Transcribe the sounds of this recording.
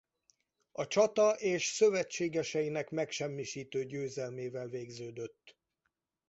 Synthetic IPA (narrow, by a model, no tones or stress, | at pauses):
ɒt͡ʃɒt̪ɒʔeːʃsø̞vɛt͡ʃːeːɡɛʃɛjinɛkmɛkʃɛmːiʃiːt̪øːɟøːzɛlmeːvɛlveːɡzøːd̪ø̞t̪ː